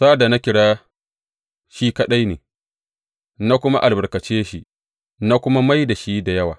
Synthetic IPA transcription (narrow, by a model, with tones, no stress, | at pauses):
saː˦da˨na˦kʲɪ˨ɽaː˦ | ʃi˦kɐ˦ɗa˦jneː˨ | na˦kʷʊ˦ma˦ʔa˨lbɐ˨rkɐ˨t͡ʃeː˦ʃi˦ | na˦kʷʊ˦ma˦ma˦jda˨ʃi˦da˨jɐ˦wa̰ː˨